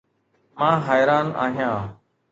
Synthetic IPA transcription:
mãːɦaːjɾaːna̰ːɦjãː

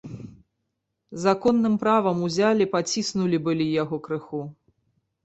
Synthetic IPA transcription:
zakɔnːɨmpɾavɐmuzʲalʲipat͡sʲisnulʲibɨlʲijaɣɔkɾɨxu

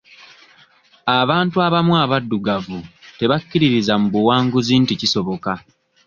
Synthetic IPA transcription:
aβaːntuaβamwaβadːuɡavute̞βakːiɾiɾizamuβuwaːŋɡuziːnticiso̞βo̞ka

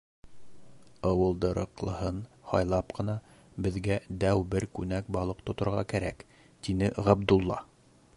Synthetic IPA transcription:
ɑwɤ̆lˠd̪ɤ̆ɾɤ̆qlˠɤ̆hɤnhɑ̰jlˠɑpqɤ̆nɑ | bɘ̆ðɡæd̪æwbɘɾkʉnæk̚bɑlˠɤqt̪ŏt̪ŏɾʁɑkæɾæk | t̪inɘʔʁæbd̪ulˠːɑ̰

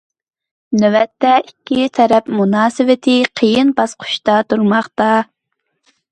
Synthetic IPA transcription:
nɛvɛt̪ːɛʔikʲːit̪ʰɛɾɛpmunɑːsɨvɪt̪ʰɪqʰəjɪnbɑsqʰʊ̥ʃt̪ɑt̪ʰuɾmɑχt̪ɑ

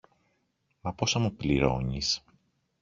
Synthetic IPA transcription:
mɐposɐmupliɾo̰ɲis

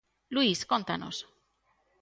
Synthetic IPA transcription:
luiskont̪ano̞̰s

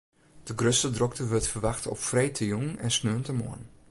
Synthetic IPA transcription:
d̥əɡrøstədrɔk̚təʋøtfərʋaxtɔ̰ffrɛjtʰəjuŋɛnsnøəntəmo̰ən

